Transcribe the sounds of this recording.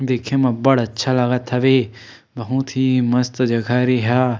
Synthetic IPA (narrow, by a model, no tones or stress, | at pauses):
d̪eːkʰemãbɐɽatːʃʰalaɡat̪ʰɐʋe | bɐɦũt̪ʰimɐst̪d͡ʒɐɡʰʱaːɾiɦaː